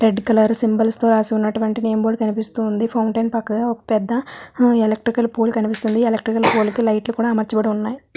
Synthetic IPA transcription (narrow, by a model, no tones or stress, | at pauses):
ɾeɖkɐlɐɾsimbɐlst̪o̞ːɾaːsiunːɐʈuʋɐɳʈineːmboːɽkɐnipist̪uːnd̪ipʰɐwɳʈɐjnpɐkːɐɡaːokɐ̥pɛd̪ːɐelɐk̚ʈɾikɐlpoːlukɐnipist̪und̪ielɐk̚ʈɾikɐlpoːlkilɐjʈlukuːɽaːmɐɾt͡ʃɐbɐɽiunːaːji